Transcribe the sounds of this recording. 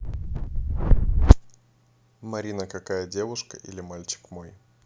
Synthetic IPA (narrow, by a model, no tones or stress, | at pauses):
mɐɾʲinəkɐkajədʲe̞vʊʂkə̰ʔḭlʲɪmalʲt͡ɕɪ̥kmo̞j